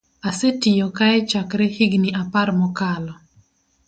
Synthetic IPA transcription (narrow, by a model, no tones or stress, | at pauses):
asetijokaɛt͡ʃakɾɛhiɡniʔaparmɔkalɔ